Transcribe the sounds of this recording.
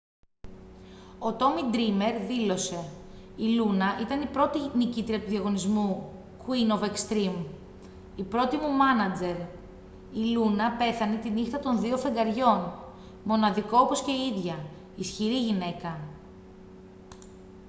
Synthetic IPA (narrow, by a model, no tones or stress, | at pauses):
o̞t̪o̞mid̪ɾime̞ɾðilo̞se̞ilunɐʔit̪ɐnipɾo̞t̪inicit̪ɾiɐt̪uðiɐɣo̞nizmu | kwino̞vekst̪ɾim | ipɾo̞t̪imumɐnɐd͡ze̞ɾ | ilunɐpe̞θɐnet̪inixt̪ɐt̪o̞nðiofe̞ŋɡɐɾʝo̞n | mo̞nɐðiko̞opo̞sce̞iiðʝɐ | isçiɾiʝine̞kɐ